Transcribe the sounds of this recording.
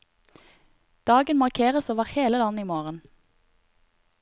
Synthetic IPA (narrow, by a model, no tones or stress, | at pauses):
d̪̥ɑːɡənmɑʁkʰeːʁəsoːʋəʁheːləlɑniːmoːʁən